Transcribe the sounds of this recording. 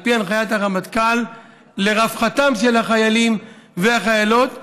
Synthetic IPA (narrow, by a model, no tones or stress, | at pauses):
pianχajat̪aʁamat̪kalː | e̞ʁafχat̪amʃelhaχajalim | veaχajalo̞t̪